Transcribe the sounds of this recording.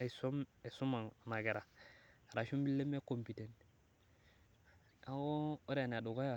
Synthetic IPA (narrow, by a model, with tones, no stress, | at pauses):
e˨so˦me˨su˦ma˨ŋ˨na˨ɡe˨ɾa˨ɾa˨ʃo˦mbi˦lːe˦me˦ko˨mpi˨te˨nt | a˦ɡo˦o˦ɾa˨n˨a˨do˨ɡa˦ja˨